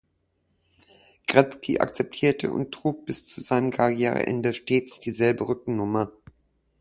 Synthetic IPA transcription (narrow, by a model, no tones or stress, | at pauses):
ɡ̥ʁɛt͡skʰiʔa̰kt͡sɛp̚tʰiːɐtʰə̰ʔʊ̰nttʁ̥uːk̚b̥ɪst͡suzaɪnəmkʰaʁjɛːʁə̰ʔɛ̰ndəʃteːt͡sd̥iːzɛlbəʁʏk̚ŋ̩nʊmɐ